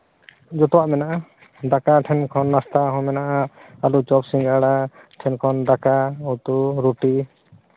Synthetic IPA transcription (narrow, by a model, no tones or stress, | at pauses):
d͡ʒɔt̪ɔwaʔmɛnaʔa | ɖakaʈʰɛnkʰɔnːast̪aɦɔ̃mɛnaʔaalut͡ʃɔpsiŋɡaɽa | ʈʰɛnkʰɔnɖakaɔt̪uɾuʈi